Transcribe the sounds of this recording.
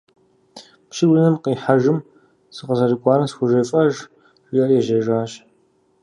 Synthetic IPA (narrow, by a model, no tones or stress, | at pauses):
pʃɪwɨnɨmqiːħaʒɨm | sɨqɐzɐrɨkʷʼɑːɾɐsxʷʊʒɐfʼɐʒ | wʷjɐrjɛʒɐʒaːɕ